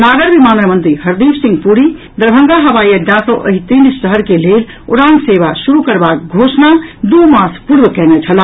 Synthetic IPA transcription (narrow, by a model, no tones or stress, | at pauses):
naɡəɾbimanɾəmənt̪ɾiɦəɾd̪imsĩŋɡpuɾi | d̪əɾbʱəŋɡaɦəbajəd͡ʒãsə̃ʔə̰ɦit̪insəɦəɾkelel | ṵɾanseβasuɾukəɾbak̚ɡʱosnad̪umaspuɽʋəkɛnɛt͡ʃʰəl